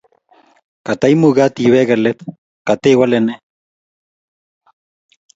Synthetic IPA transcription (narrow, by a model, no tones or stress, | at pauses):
kat̪ajmuɣat̪iβeɣelet̪ | kat̪eiɣwalene